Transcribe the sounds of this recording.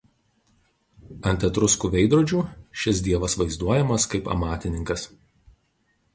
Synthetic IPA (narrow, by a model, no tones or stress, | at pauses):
ɐnʲt̪ʲɛt̪ɾʊskuːʋʲɛɪd̪ɾuːd͡ʒʲuːʃʲɪsd̪ʲiɛʋɐsʋɐɪzd̪uɔjɛmɐskɐɪpɐ̰mɑːt̪ʲɪnʲɪŋkɐs